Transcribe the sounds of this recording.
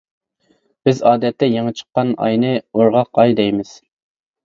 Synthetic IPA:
b̥ɪzɑːd̪ɛt̪ːɛjeŋɨt͡ʃʰə̥qːɑnɑ̰jnɨoɾʁɑqɑjd̪ɛjmɪz̥

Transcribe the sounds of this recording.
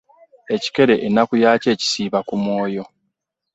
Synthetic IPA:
e̞ci̥ke̞ɾe̞ʔenːakujaːce̞ːci̥siːβakumwo̞ːjo̞

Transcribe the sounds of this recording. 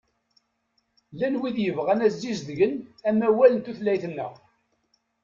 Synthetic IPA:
lænwiðjəvʁænæzːizðəʝənæmæwælənt̪uθlæjθnːə̰ʁ

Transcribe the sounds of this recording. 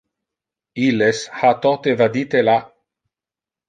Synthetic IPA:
ilːeshat̪ɔt̪evad̪iːt̪ela

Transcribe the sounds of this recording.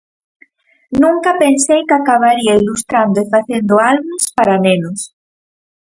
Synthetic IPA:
nũŋkɐpensejkakaβ̞aɾiailust̪ɾand̪oefaθend̪ʊalβuspaɾanenʊs

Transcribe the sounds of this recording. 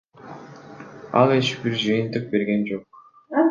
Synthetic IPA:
ɑ̰lˠeʃbiɾd͡ʒɯjɯnt̪ɯq̚be̞ɾɡe̞nd͡ʒo̞q̚

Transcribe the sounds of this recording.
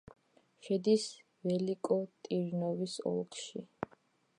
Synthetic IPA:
ʃɛd̪is | vɛlikʼɔt̪ʼiɾnɔvisɔ̰lˠkʰʼʃi

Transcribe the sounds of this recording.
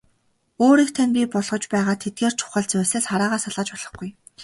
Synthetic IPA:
oːɾiːkt̪ʰanpʲipɔɮʁɞ̆t͡ɕpæːʁaːt̪ʰet̪̚ɡeːr̥t͡ɕʰʊ̥χə̆ɮt͡sʊːsĕːsχaɾaːʁaːsaɮʁə̆t͡ɕpɔɮɞ̆χɡuj

